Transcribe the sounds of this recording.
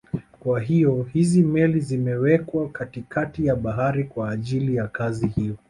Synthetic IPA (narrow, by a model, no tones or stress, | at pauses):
kwaɦijɔhizimɛlizimɛwɛkwakatikʰatijaɓaɦaɾikwaːʄilijakazihijɔ